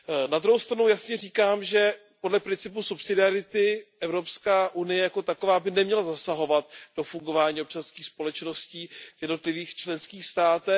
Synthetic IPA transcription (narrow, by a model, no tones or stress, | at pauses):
nad̪ɾuɦowst̪ɾanujasɲɛriːkaːmʒɛ | podlɛpɾɪnt͡sɪpusupsɪdɪaɾɪt̪ɪʔɛvɾo̞pskaːʔunɪjɛjako̞t̪ako̞vaːbɪnɛmɲɛlazasaɦo̞vat̪̚d̥o̞fuŋɡo̞vaːɲiːop̚t͡ʃanskiːxspo̞lɛt͡ʃno̞sciːvjɛdno̞t̪lɪviːxt͡ʃlɛnskiːxst̪aːt̪ɛ